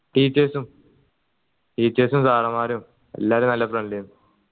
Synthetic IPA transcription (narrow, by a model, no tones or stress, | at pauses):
ʈiːt͡ɕːeːsum | ʈiːt͡ɕːeːsumsaːrɐmaːɾum | e̞̰lːaːɾumnɐlːɐfreɳɖlejunu